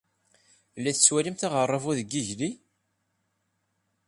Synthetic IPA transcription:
lːæθə̥t͡sːwælimθaʁərˤːɑvuðəɡːiʝli

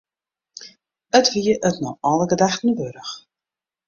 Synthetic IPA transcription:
ətʋiəʔətnɔʔɑlˠəɡədaxtən̩bøɾəx

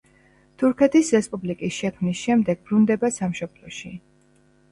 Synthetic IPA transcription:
t̪ʰuɾkʰɛt̪ʰisɾɛspʼublikʼisʃɛkʰmnisʃɛmd̪ɛɡ̚bɾund̪ɛbasamʃɔblˠɔʃi

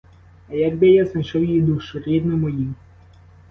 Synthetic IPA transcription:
ɐjaɡ̚bɪjaznɐjʃɔwjid̪uʃɔɾʲid̪nɔmɔjim

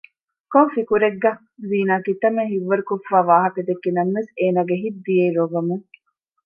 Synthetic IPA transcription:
kofikuɾeɡːɐ | ziːnaːkit̪ɐmeɦiʋːɐɾukofːaːʋaːɦɐkɐd̪ekːinɐmʋeseːnaːɡeɦid̪d̪ieːɾoɡɐmuŋ

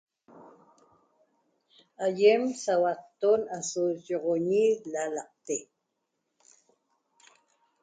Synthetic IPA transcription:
ajemsawaqt̪onasoʒoʁoɲilalɑq̚t̪e

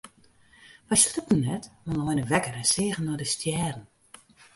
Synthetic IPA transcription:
fajsrutən̩nːɛtmɔnɔjnəʋɛkəɾɛnsɪːəɣənɔdəstjɛːrn̩

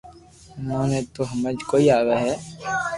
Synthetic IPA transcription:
nõːnẽːt̪oɦəməd͡ʒkoːiaːɡaɦɛː

